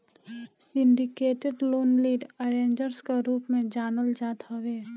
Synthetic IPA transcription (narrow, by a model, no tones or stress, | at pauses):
sɪ̃ɳɖɪkeːʈeɖloːnliːɖəɾẽːnd͡ʒəɾskaɾuːpmẽd͡ʒaːnəld͡ʒaːt̪ɦɐʋeː